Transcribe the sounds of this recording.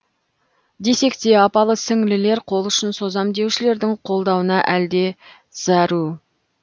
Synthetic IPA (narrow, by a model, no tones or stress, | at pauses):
d̪e̞se̞kt̪e̞ɑpɑlˠəsɪŋlɪle̞ɾqʰo̞lˠʏʃɪnso̞zɑmd̪e̞wʃɪle̞ɾd̪ɪɴqʰo̞lˠd̪ɑwənɑʔæld̪e̞ | z̥æɾu